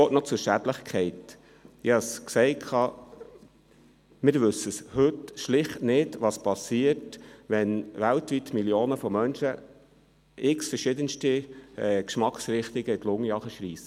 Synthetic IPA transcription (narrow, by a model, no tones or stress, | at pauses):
oːtnɔt͡sʊɾʃædləχkʰɛɪt̪ | ɪhɑsksɛɪkʰχɑː | mɪɾʋɵsːəshɵtʃlɪχtnɪdʋɑspɑsiəɾtʋɛnʋæltʋit̪miljoːnəfɔmœnʃə | ɪksfəɾʃɪd̪ənstiɛːkʃmɑksɾɪχt̪ɪɡəɪtlʊŋjɑχəʃɾiːsə